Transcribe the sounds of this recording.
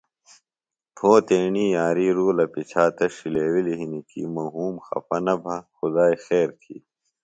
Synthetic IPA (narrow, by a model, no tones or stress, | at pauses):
pʰoːt̪eːɳiːjaːɾiːɾuːlɐpit͡ɕʰaːt̪ɐɕileːwiliɦinikḭːmɐɦuːmxɐ̰pɐnɐbʱɐxʊd̪aːixeːɾt̪ʰḭː